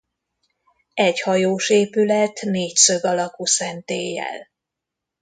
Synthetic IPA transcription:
ɛchɒjoːʃeːpylɛt̪neːcsø̞ɡɒlɒkusɛnt̪eːjːɛ̰l

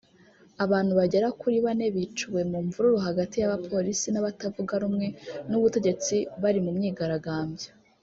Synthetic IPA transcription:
aβaːn̥huβaɟe̞ɾakuɾiβane̞βit͡ʃuwe̞muɱvuɾuɾoɦaɡatijaβapʰo̞ɾisinaβatavuɡaɾumŋe̞nuβute̞ɟe̞t͡siβaɾimumɲiːɡaɾaɡaːmbjo

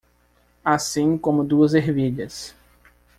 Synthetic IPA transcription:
asĩkõmʊd̪uɐzeɦviʎɐs

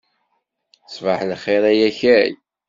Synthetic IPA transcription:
svaħlχeɾæjæçæj

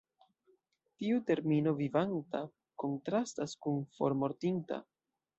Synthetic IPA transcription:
tiute̞ɾmino̞vivanta | ko̞ntɾastaskunfo̞̰ɾmo̞ɾtinta̰

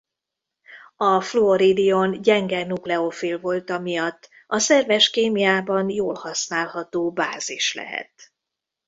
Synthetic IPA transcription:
ɒfloːɾid̪ijonɟɛŋɡɛnuklɛofilvo̞lt̪ɒmijɒt̪ː | ɒsɛrvɛʃkeːmijaːbɒnjoːlhɒsnaːlhɒt̪oːbaːziʃlɛ̰ɦɛ̰t̪

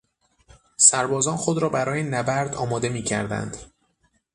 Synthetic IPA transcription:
sæɾbɒːzɒːnxod̪ɾɒːbæɾɒːjenæbæɾd̪ɒːmɒːd̪e̞miːcʰæ̰ɾd̪æ̰nd̪̥

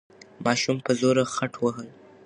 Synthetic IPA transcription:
mɑʃumpəzoɾaxaʈʰwəɦəl

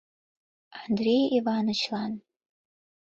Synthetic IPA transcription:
andrejivanɨt͡ʃʰlan

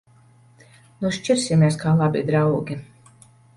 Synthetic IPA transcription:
nuʃt͡ʃiɾsʲimʲeɛskaːlˠabḭd̪ɾawɡʲi

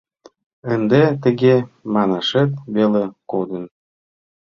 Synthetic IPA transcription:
ənd̪et̪ə̆ɣemɑnɑʃet̪βelekod̪ən

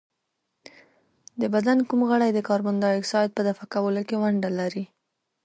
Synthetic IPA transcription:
d̪əbad̪ankumɣəɽajd̪əkɑɾband̪ɑɪksɑjt̪̚pəd̪afakawəlokewaɳɖalaɾi

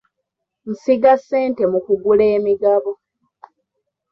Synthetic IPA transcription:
n̩siɡasːe̞ːnte̞mukuɡuleːmiɡaβo

